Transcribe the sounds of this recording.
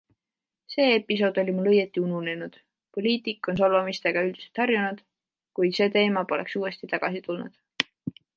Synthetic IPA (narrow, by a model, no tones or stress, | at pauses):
se̞ːepːˑis̬o̞ːd̪̥o̞lʲimulːɤjet̪ːˑiunune̞nud̪̥ | po̞lʲiːt̪ikːˑo̞ns̬olvɑmist̪e̞ɡ̥ɑyld̪̥iselt̪hɑrjunud̪̥ | kujd̪̥se̞ːt̪e̞ːmɑpo̞le̞̰ksuːe̞st̪it̪ɑɡ̥ɑsit̪ulnṵd̪̥